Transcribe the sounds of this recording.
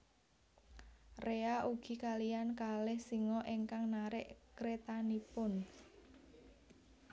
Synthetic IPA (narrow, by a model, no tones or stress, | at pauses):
reaʔuɡ̥i̤kalijankalɛhsiŋɔʔeŋkaŋnaɾɪʔkɾet̪anipʊn